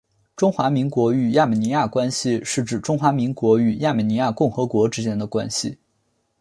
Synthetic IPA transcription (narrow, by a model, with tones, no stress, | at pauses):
ʈ͡ʂʊ˥ŋxwa˧˥mi˧˥ŋkwɔ˧˥y˨˩ja˥˩mə˨˩ni˧˥ja˥˩kwa˥nɕi˧ʂɻ̩˥˩ʈ͡ʂɻ̩˨˩ʈ͡ʂʊ˥ŋxwa˧˥mi˧˥ŋkwɔ˧˥y˨˩ja˥˩mə˨˩ni˧˥ja˥˧kʊ˥˩ŋxɤ˧˥kwɔ˧˥ʈ͡ʂɻ̩˥t͡ɕjɛ˥nd̪ə˨kwa̰˥nɕḭ˨˩